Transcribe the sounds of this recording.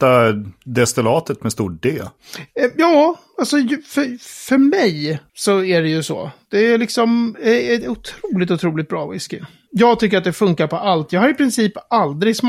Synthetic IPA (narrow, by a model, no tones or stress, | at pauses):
t̪ad̪ɛst̪ɪlɑːt̪ət̪mɛst̪uːʈ̚ɖeː | jɑː | alsɔfœfœɾmɛjsɔæɖɛjɵsɔ̰ːd̪̥ɛælɪksɔmɛɛt̪ʊt̪ʰɾuːlɪt̪ʊt̪ʰɾuːlɪt̪bɾɑːvɪskə | jɑːɡt̪ʰʏkːəɾat̪d̪ɛfɵŋkaɾpɔʔalt̪jɑːɡhaɾɪpʰɾɪnsiːpald̪ɾɪɡsm